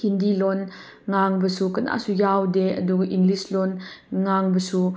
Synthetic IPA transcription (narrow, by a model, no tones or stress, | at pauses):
hindilɔn | ŋaŋbɐsukɐna̰ʔsujawdɛʔɐ̰dukʔiŋlislɔnŋaŋbɐsu